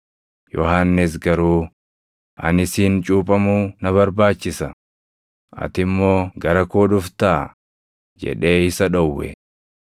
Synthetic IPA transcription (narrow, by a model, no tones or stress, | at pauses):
jɔhanːɪs̬ɡɐɾuː | ʔɐ̰nɪsiːnt͡ʃʼuːpʼɐmuːnɐβɐɾbaːt͡ʃːɪsɐ | ʔɐ̰t̪ɪmːo̞ːɡɐɾɐkoːᶑʊft̪aː | d͡ʒɛ̰ᶑe̞ːɪsɐᶑɔwːɛ̰